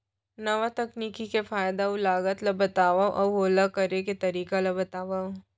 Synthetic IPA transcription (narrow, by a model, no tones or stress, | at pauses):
nɐʋat̪ɐkniːkikefaːjd̪aʊlaːɡət̪lɐbɐt̪aːʋaʔɐɦoːlakɐɾeket̪ɐɾiːkalɐbɐt̪aːʋao